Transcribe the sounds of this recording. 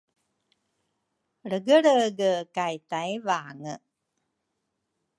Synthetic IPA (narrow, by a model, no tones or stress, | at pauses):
ɽəɡəɽəɡəkajt̪ajvaːŋə